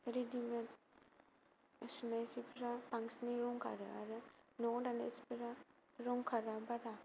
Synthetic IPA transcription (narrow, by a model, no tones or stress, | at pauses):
eɾidimet | sunajsipʰiɾapaŋsniɾɔŋkʰa̰ɾɯ̰aɾɯnɔdalḛspeɾa | ɾɔŋkʰaɾabaɾa